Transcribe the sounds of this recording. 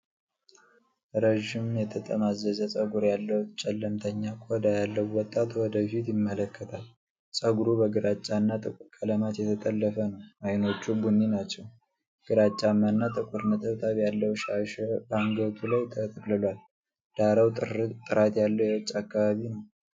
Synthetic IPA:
ɾəʒːɪmjɛt̪ʰət̪ʼə̰mazːəzəsʼəɡuɾjalːəwut͡ʃʼɛlːəmt̪ʰəɲːakʼɔd̪ajalːəwːɔt̪ʼːat̪wɔd̪əfit̪jɪmːələkʰːət̪ʰal | sʼəɡuɾubəɡɨɾat͡ʃʼːanːat̪ʼɨkʷʼuɾkʼələmat̪jɛt̪ʰət̪ʼəlːəfənəwʔajno̞t͡ʃːubunːinat͡ʃːɛw | ɡ̥ɨɾat͡ʃʼːamːanːat̪ʼɨkʼuɾnət̪ʰəβt̪ʰʼaβjalːəwʃaʃbaŋɡət̪ʰulajt̪ʰət̪ʼəkʼlɨlal | d̪̥aɾəwt̪ʼɨɾat̪jalːəwjɛwɔt͡ʃʼːakːaβaβinəw

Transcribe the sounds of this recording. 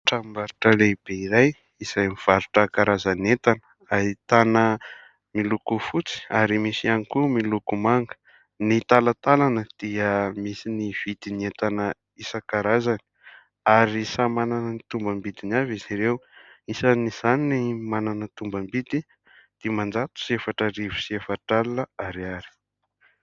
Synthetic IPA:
ʈ͡ʂambaɾuʈ͡ʂəleb̥eiɾaj | iz̥ajmiv̥aɾuʈ͡ʂəkaɾazanet̪anə̥ | ait̪anə | milukufut͡si̥aɾimisianikumilukumaŋɡə̥ | nit̪alat̪alanəd̪̥iəmisiniv̥id̪̥iniet̪anə | isakaɾazani̥ | aɾisamananənit̪umbəmbid̪inaviziɾewisaniz̥aninimananət̪umbambid̪i | d̪̥imand͡zat̪u̥siefaʈ͡ʂəɾivu̥siefaʈ͡ʂalːəaɾiaɾi̥

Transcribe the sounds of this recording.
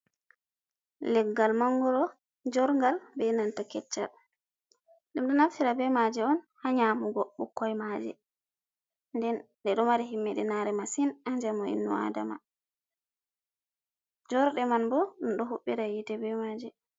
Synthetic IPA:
lɛɡːalmaŋːɡɔɾɔ | d͡ʒɔɾŋɡalbɛnantakɛt͡ʃːa̰ɗ | ɗumɗɔnaftiɾabɛmad͡ʒɛɔnhaɲaːmuɡɔɓːɔkːɔjmad͡ʒɛ̰ | ndɛn | ɗɛɗɔmaɾiɦimːɛɗɛnaɾɛmasinaɲd͡ʒamɔḭnːṵa̰dama̰ | d͡ʒɔɾɗɛmanbɔɗɔmɗɔɦuɓːiɾajitɛbɛmad͡ʒɛ

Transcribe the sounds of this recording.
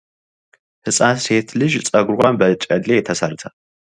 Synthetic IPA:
hɨt͡sʼaːseːt̪ʰlɨʒt͡sʼɐɡʷʊrʁʷambɐt͡ʃʼɐdet̪ʰɐsɐrt̪ʰɐ

